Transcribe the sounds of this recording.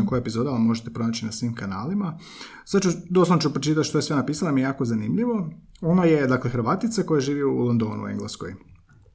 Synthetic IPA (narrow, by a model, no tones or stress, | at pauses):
kojepizo̞d̪almo̞ʒet̪epɾo̞naːt͡ɕinasʋiːmkanaːlima | sad̪t͡ʃud̪o̞slˠanot͡ʃupɾot͡ʃit̪at̪ʃt̪ojesʋenapiːsalamiejaːko̞zanimʎiʋo̞o̞noje̞d̪aklexɾʋaːt̪it̪seko̞jeʒiːʋiuːlond̪o̞ːnṵṵḛŋɡlˠesko̰j